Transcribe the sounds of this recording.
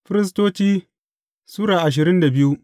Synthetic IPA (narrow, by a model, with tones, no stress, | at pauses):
ɸɪ˦ɾɪ˦s̬toː˦t͡ʃiː˦ | suː˦ɽaː˨ʔa˨ʃ̬ɪ˨ɾɪ˦nda˨bɪ˦ju˦ʔ